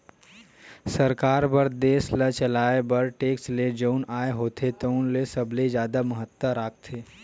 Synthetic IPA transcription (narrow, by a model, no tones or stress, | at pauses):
sɐɾkaːɾpɐɾd̪eːslət͡ʃəlaːebəɾʈeːksled͡ʒəʊnaːeɦoːt̪ʰet̪əʊnlesəbled͡ʒjaːd̪amɐɦət̪wəɾaːk̚ʰt̪ʰeː